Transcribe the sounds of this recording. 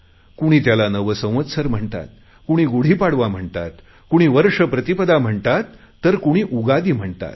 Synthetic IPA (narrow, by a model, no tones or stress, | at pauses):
kuɽ̃iːt̪jalanəʋəsə̃w̃ʋət̪səɾm̤əɳt̪a̰t̪̚ | kuɽ̃iːɡuɽ̤iːpaɽʋam̤əɳt̪a̰t̪ | kuɽ̃iːʋəɾʂəpɾət̪ipəd̪am̤əɳt̪at̪ː | əɾkuɽ̃iːʔuɡad̪iːm̤əɳt̪a̰t̪